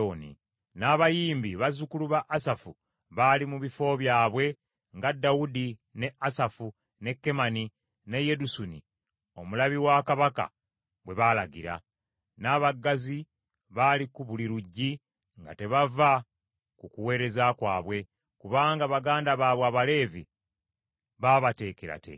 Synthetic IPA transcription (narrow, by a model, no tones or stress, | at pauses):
onḭ | naːβajiːmbiβazukuluβaʔːsafu | βalimuβifo̞βjaːβwe̞ | ŋɡadːaudine̞asafu | ne̞kːe̞mani | ne̞je̞dusunḭ | o̞mulaβiwakaβaka̰ | βwe̞βalaɡiɾa̰ | naːβaɡːazi | βalikuβuliɾuɟːi | ŋɡa̰te̞βava | kukuwe̞ːɾe̞zakwaːβwe̞ | kuβaːŋɡaβaɡaːndaβaːβwaːβale̞ːvi | βaβate̞ːkeɾa̰tḛ